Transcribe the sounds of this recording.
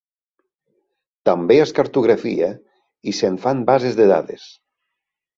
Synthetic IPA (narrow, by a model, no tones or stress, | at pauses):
t̪ambeaskaɾt̪uɣ̞ɾafia | iseɱfanbazezðeða̰ðes